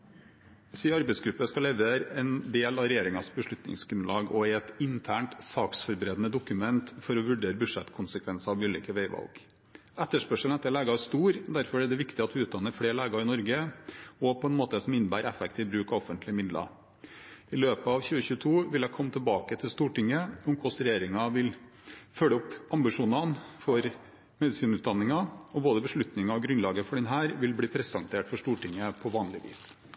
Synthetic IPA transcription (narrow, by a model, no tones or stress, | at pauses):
siːɑɾbɛɪsɡɾʉpːəskɑlɛʋəɾɛnd̪eːlɑɾɛjeːɾɪŋɑsbəʂɭʉt̪nɪ̰ŋsɡɾʉnlɑːɡɔɛt̪ɪnt̪ʰæːɳʈsɑːksfɔɾbəɾeːd̪ənəd̪ʊkʉmɛnt̪fɔɾɔʋʉɖeːɾəbʉʂɛt̪kʰʊnsəkʰʋɛnsɑɑʋʉːlḭːkəʋeɪʋɑ̰lɡ | ɛt̪ːəʂpœʂəl̩ɛt̪ːəɛlæːɡɑæʂt̪uːɾd̪æɾfɔɾɛɖɛʋɪkt̪ɪɑt̪ʋɪʉːt̪d̪ɑnːəfleːɾɭeːɡɑɪnɔɾɡəɔpʰɔɛnmoːt̪əsɔmɪnːəbæ̰ːɾɛfɛkt̪iːʋbɾʉːkɑɔfənt̪ʰlɪəmɪd̪lɑ̰ | ɪløːpəɑʋçʉːəçʉːt̪ʰuːʋɪlækʰɔmːət̪ʰəlbɑːkət̪ʰɪlst̪uːʈɪŋːəʊmkʰɔsɾɛjeːɾɪŋɑʋɪl | fœləʊpɑmbɪʂuːnɑnfɔɾ | mɛd̪ɪsiːnʉːt̪̚d̪ɑnːɪŋɑɔboːd̪əbəʂɭʉt̪nɪŋɑɔɡɾʉnlɑːɡəfɔɖɛnɦæːɾʋɪlbliːpʰɾɛsɑŋt̪ʰeːʈfɔʂt̪uːʈɪŋːəpʰɔʋɑːnlɪʋḭːs